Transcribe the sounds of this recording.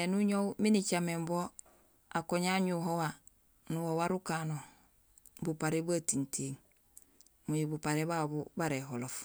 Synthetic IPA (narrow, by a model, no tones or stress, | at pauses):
enuɲowminit͡ʃamembo | akoɲaɲuɦowa | nuhowaɾukano | bupaɾebatintiːŋ | mujibupaɾebabubaɾeɦolof